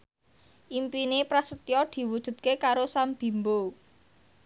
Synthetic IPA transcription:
ʔimpinepɾasət̪jɔd̪̥i̤wud̥ʒ̥ṳd̪̚kekaɾosamb̥i̤mbo

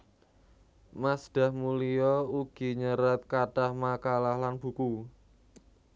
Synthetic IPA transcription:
masɖ̥ä̤hmulijɔuɡ̥i̤ɲəɾat̪̚kaɖ̥ahmakalahlanb̥ṳku

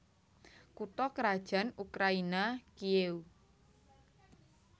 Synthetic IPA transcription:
kut̪ɔkəɾad̥ʒ̥ä̤nukɾainakieu

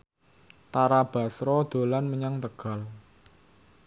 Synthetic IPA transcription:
t̪aɾab̥a̤sɾɔd̪̥o̤lanməɲaŋt̪əɡ̥a̤l

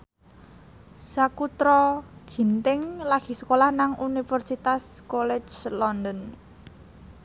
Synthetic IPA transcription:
sakut̪ɾɔɡ̥i̤nt̪ɪŋlaɡ̥i̤sə̥kolahnaŋʔunifərsit̪askolɛd͡ʒlɔnd̪ən

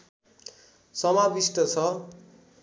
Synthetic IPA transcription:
sʌmabisʈʌt͡sʰʌ

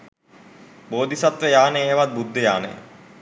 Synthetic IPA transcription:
boːd̪isat̪ɾəjaːnəjeːʋat̪̚bud̪ʱːəjaːnə̰j̰

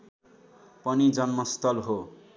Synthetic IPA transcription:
pʌnid͡zʌnmʌst̪ʌlɦo

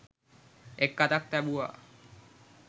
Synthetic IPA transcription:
ekːat̪ak̚t̪ɛbua̰

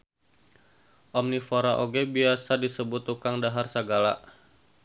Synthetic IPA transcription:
ʔɔmnifoɾaʔoɡebiasadisəbʊt̪ːukaŋdaɦarsəɡala̰

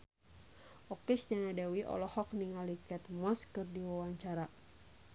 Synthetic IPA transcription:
ʔɔkɛsd͡ʒanadɛwiʔɔ̰lɔhɔk̚niŋalikɛt̪̚mɔskɨrdiwawaɲt͡ʃaɾa

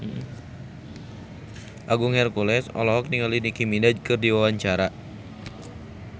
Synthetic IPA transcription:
m̩hm̩ | ʔaɡʊŋhɛrkulɛsɔ̰lɔɦɔk̚niŋalinikiminad͡ʒkɨrdiwawaɲt͡ʃaɾa

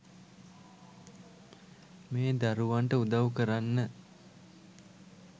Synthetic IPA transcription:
meːd̪aɾuʋaɳʈəud̪aʋukəɾanːə

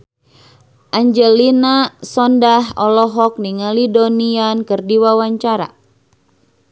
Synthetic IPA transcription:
ʔaɲd͡ʒəlinasɔndaɦɔlɔɦɔk̚niŋalidoniankɨrdiwawaɲt͡ʃaɾa̰

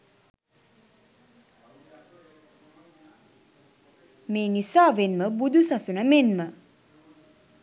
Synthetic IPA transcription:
meːnisaːʋenməbud̪usasunəmenmə

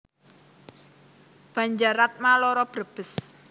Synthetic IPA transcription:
b̥a̤ɲd͡ʒaɾat̪̚malɔɾɔb̥ərb̥ə̤s

